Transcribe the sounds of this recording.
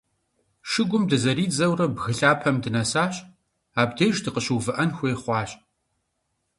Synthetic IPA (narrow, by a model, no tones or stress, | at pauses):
ʃɨɡʷʊmdɨzɐɾiːd͡zɐwrɐbɣɨɬaːpʰɐmdɨnɐsaːɕʼ | aːbdeːʒdɨqəɕuːvɨʔɐnxʷejχʷɑːɕʼ